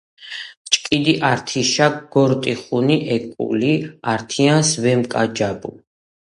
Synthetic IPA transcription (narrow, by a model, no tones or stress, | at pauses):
t͡ʃʼkʼid̪iʔaɾt̪ʰiʃakɡ̥ɔɾt̪ʼiχuniʔɛkʼṵliaɾt̪ʰiansvɛmkʼad͡ʒabu